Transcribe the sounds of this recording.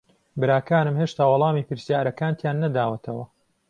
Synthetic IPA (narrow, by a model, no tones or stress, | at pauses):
bɨɾaːkaːnɨmheʃt̪aːwɑlˠɑːmiːpɨɾsjaːɾɐkaːnt̪ʰjaːnːɐd̪aːwɐt̪ʰɐwɐ